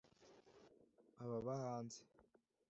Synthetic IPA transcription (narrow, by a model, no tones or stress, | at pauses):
aβaβahaːnze̥